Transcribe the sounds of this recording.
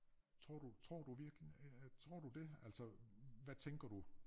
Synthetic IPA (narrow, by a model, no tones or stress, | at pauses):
t͡sʰʁo̝ɐ̰d̥ut͡sʰʁɔ̝ɐ̰d̥uʋiɐɡ̥lit͡sʰʁo̝ɐ̰d̥ud̥e̝ælsɒʋæt͡sʰeŋɡ̥ɐd̥u